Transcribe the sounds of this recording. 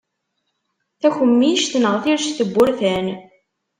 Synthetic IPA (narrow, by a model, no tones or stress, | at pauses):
θæçəmːiʃt̪nəʁθiɾʃθəbːʊɾθæn